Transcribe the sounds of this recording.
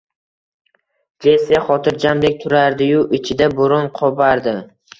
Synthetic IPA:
d̪eseχɒt̪ʰɪɾd͡ʒamd̪ek̚ʲt̪ʰʊɾaɾd̪ɪjʊʔɪt͡ʃʰɪd̪aboɾɒnqʰɒbaɾd̪ɪ

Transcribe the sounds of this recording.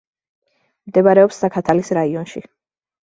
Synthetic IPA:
md̪ɛbaɾɛɔpsːakʰat̪ʰalisɾaiɔnʃi

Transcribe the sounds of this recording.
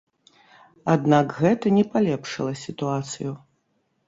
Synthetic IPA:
ad̪nakɣɛt̪ɐnʲɛpalʲɛpʂɨ̰lˠɐsʲit̪uat̪sɨju

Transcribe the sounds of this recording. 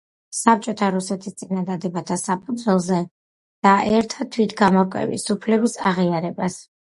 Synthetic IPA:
sap̚t͡ʃʼɔt̪ʰaɾusɛt̪ʰist̪sʼinad̪ad̪ɛbat̪ʰasapʰud̪zwɛlˠzɛ | d̪̥aʔɛɾt̪ʰat̪ʰwit̪ʰɡamɔɾkʼwɛ̰vḭsupʰlɛbisaʁiaɾɛbas

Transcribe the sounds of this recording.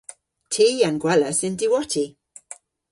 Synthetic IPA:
tʰiːanɡwɛləsɪndiwɔtʰi

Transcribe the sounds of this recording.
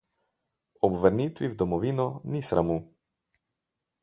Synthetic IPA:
ɔbʋəɾniːt̪ʋiwd̪ɔmɔʋiːnɔnisɾʔamu

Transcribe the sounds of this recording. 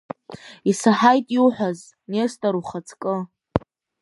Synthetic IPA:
isaħajtʼiuħʷᶣaz | nestʼaɾuχat͡sʰkʼɨ

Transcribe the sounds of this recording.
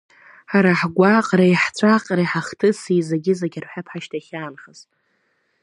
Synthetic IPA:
ħaɾaħɡʷaqʼrajħt͡sʷʰaqʼrajħaχtʰɨsizaɡʲɪzaɡʲarħʷapʰħaʃtʰaχʲaːnχaz

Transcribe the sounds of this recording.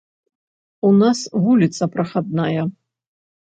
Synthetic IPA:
unasvulʲit̪sɐpɾɐxad̪najɐ

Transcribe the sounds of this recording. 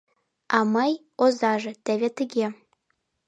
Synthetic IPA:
ɑmɑj | ozɑʐɤ̆t̪ævʲet̪ɘ̆ɡʲe

